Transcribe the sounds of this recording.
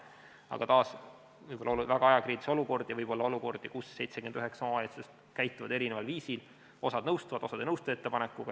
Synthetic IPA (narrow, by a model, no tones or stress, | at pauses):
ɑ̰ɡ̥ɑt̪ɑːs | vɤɯjbo̞lːɑoluvæɡ̥ɑɑjɑkɾiːd̪iso̞luko̞rd̪̥jɑvɤjb̥o̞lːɑo̞luko̞rd̪̥ikusːe̞jt̪seɡymend̪yɦeksɑoet̪sest̪ | kæjt̪ːˑuvɑ̰d̪eɾinevɑlviːsil | o̞sɑd̪nɤwst̪uvɑd̪o̞sɑd̪enɤwst̪ue̞t̪ːe̞pɑnekːˑuɡ̥ɑ